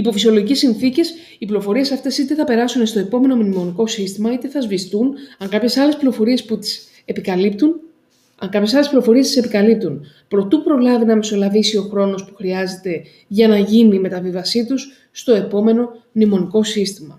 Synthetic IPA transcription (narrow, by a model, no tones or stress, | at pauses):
ipo̞fisio̞lo̞ʝice̞sinθice̞s | iplio̞fo̞ɾie̞sɐft̪e̞sit̪e̞θɐpe̞ɾɐsunest̪o̞e̞po̞me̞no̞mnimo̞niko̞sist̪imɐit̪eθɐzvist̪unɐŋkɐpçe̞sɐleplio̞fo̞ɾie̞sput̪i̥s | e̞pikɐlipt̪un | ɐŋkɐpçe̞sɐle̞splio̞fo̞ɾie̞st̪isepikɐlip̚t̪un | pɾo̞t̪upɾo̞lɐvinɐmeso̞lɐvisio̞xɾo̞no̞spu̥xɾiɐze̞t̪e̞ | ʝɐnɐʝiniːme̞t̪ɐvivɐsit̪usː | t̪o̞e̞po̞me̞no̞mnimo̞niko̞sist̪imɐ̰